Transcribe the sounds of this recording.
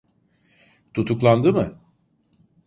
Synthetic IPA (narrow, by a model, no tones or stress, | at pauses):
t̪ʰut̪ʰuklˠand̪ɯmɯ